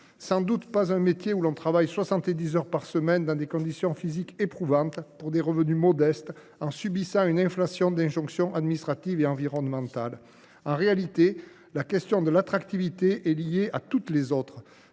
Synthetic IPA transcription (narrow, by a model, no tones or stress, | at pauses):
sɑ̃d̪ut̪pazɛ̃met̪jeulɔ̃t̪χavajswasɑ̃t̪ed̪izœʁpaʁsəmɛnd̪ɑ̃d̪ekɔ̃d̪isjɔ̃fizikepχuvɑ̃t̪puʁd̪eʁəvənymɔd̪ɛst̪ | ɑ̃sybisɑ̃ynɛ̃flasjɔ̃d̪ɛ̃ʒɔ̃ksjɔ̃ʔad̪minist̪χat̪iveɑ̃viʁɔnmɑ̃t̪al | ɑ̃ʁealit̪e | lakɛst̪jɔ̃d̪əlat̪χakt̪ivit̪eʔɛlijeʔat̪ut̪lezɔt̪χə